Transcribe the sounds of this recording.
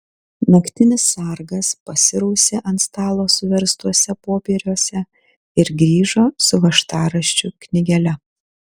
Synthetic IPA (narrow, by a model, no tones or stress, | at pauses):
nɐkt̪ʲɪnʲɪsːɑˑɾɡɐspɐsʲɪɾɐʊsʲeːʔɐnt̪st̪ɑːlˠoːsʊʋʲɛɾst̪uɔsʲɛpoːpʲeːɾʲuɔsʲɛ | ɪɾɡɾʲiːʒoːsʊʋɐʃt̪ɑːɾɐʃʲt͡ʃʲʊknʲɪɡʲɛlʲɛ